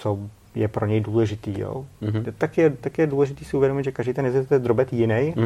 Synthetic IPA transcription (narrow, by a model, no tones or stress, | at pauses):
t͡so | jɛpɾoɲɛjduːlɛʒɪt̪iːjo̰t̪akjɛt̪akɪjɛduːlɛʒɪt̪iːsɪuvjɛdomɪt̪ʒɛkaʒdiːt̪ɛnɛzɪt̪ɛd̪ɾobɛt̪jɪnɛj